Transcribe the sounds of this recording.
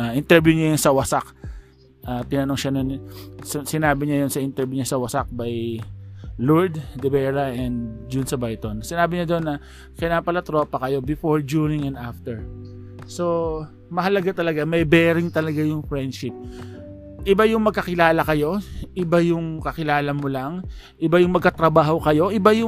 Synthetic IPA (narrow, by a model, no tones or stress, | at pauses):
aʔɪnt̪ɛɹbjʊɲajʊnsɐwɐsak | ʔaːt̪ɪnɐnoŋʃɐnonssɪnaːbɪɲajonsɐʔɪnt̪ɛɹbjuɲasɐwɐsak̚baj | loɹd̪̚d̪ɛbɛːɹɐʔɛnd̪d͡ʒʊnsɐbajt̪onsɪnaːbɪɲad̪o̞nːɐ | kɪnaːpɐlɐt̪ɾo̞ːpɐkɐjo̞bɪfoɹd͡ʒunɪŋɛ̃nd̪aft̪ɛɹ | so̞ | mɐɦɐlɐɡat̪ɐlɐɡamɐjbɛːɾɪŋt̪ɐlɐɡajʊŋfɹɛnd̪ʃɪp̚ | ʔɪbajʊŋmɐɡ̚kɐkɪlaːlɐkɐjo̞ʔɪbajʊŋkɐkɪlaːlɐmolaŋ | ʔɪbajʊŋmɐɡkɐt̪ɾɐbaːho̞kɐjo̞ʔɪbajʊ